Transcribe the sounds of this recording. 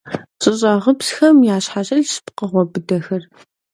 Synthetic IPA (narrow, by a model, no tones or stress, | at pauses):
ɕʼɨɕʼɐʁəpsxɐmjaːɕħaɕʼɐɮspqəʁʷɔbɨdɐxɐr